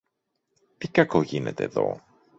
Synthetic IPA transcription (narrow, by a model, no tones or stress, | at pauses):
t̪ikɐko̞ʝine̞̰t̪e̞ːðo̞̰